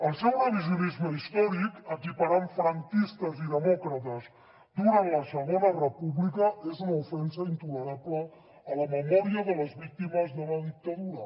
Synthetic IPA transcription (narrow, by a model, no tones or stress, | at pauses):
əlˠsɛwrəβizjunizməist̪ɔɾikəkipaɾaɱfɾəŋkist̪əziðəmɔkɾət̪əz | d̪uɾanləsəɣonərəpuβlikəezunufɛnsəint̪uləɾapləː | ləməmɔɾiəðələzβik̚t̪iməzðələðik̚t̪ɐðuɾə